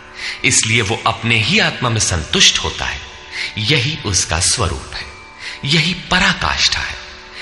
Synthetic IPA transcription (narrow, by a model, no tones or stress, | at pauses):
ɪslieʋoʔɐpneɦiaːt̪mamẽsɐ̃nt̪ʊʃʈho̰ːt̪a̰ɦɛː | jɐɦiʔʊska̰swɐ̰ɾṵːpɦɛː | jɐɦipɐɾaːka̰ːʃʈʰa̰ɦɛ̰ː